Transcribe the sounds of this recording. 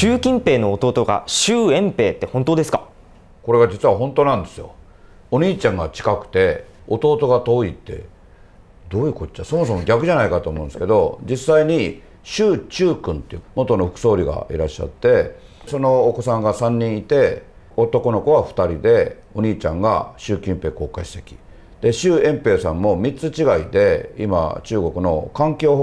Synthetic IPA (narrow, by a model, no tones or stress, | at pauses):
ɕɨːkʲĩmpe̞ːno̞ːt̪o̞ːt̪o̞ɡa̰ɕɨːẽ̞mpe̞ːt̪ːe̞hõnt̪oːd̪e̞sɨ̥ka | ko̞ɾe̞ɡad͡ʑit͡sɨβaɦõ̞nt̪onãnd̪e̞sɨjo̞̰ | oɲ̟iːt͡ɕãŋɡat͡ɕi̥kakɯ̟̥t̪e̞ot̪o̞ːt̪o̞ɡat̪o̞ːit̪ːe̞̰ | d̪o̞ːjɯ̟kot͡ɕːaso̞mo̞so̞mo̞ɡʲakɯ̟ʑanaikat̪o̞ːmõ̞nd̪sɨ̥ke̞d̪o̞d͡ʑisaiɲ̟i | ɕɨːt͡ɕɨːkɯ̟̃nt̪emo̞t̪o̞no̞ɸɯ̟kɯ̟̥so̞ːɾʲiɡa̰ḭɾaɕːa̰t̪ːe̞so̞no̞ːko̞sãŋɡasãɲ̟ːĩɰ̃it̪e̞ | ot̪o̞ko̞no̞ko̞βaɸɯ̟̥t̪aɾʲid̪e̞ | o̞ɲ̟iːt͡ɕãŋɡa̰ɕɨːkʲĩmpe̞ːko̞ːkaiɕi̥t̪e̞̥kʲi̥ | d̪̥e̞ɕɨːẽ̞mpe̞ːsãmːo̞mʲit͡sɨt͡ɕiɡaid̪e̞ḭma̰t͡ɕɨːɡo̞kɯ̟no̞kãŋkʲo̞ː